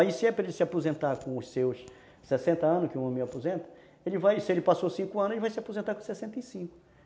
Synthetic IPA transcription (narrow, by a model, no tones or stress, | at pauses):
aisɪɛpɾɐelɪsɪapozẽnt̪aɾkõʊssews | sɛsẽnt̪ɐɐ̃nʊkɪũõm̃wapozẽnt̪ɐ̥ | elɪvajsɪelɪpasosĩŋkʊɐ̃nʊzelɪvajsɪapozẽnt̪aɾkõsɛsẽnt̪ɐisĩkʊ